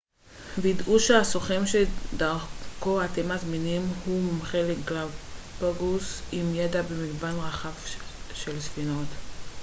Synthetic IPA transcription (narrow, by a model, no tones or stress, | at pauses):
viidʔuʃeasoχemʃedaʁko̞at̪emazminimhumχelekɡlavbaɡusimjedabemiɡbanʁaχavʃelsfinot̪